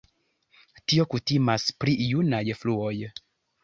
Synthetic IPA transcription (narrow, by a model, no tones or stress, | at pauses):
tiokutimaspɾijunajfluoj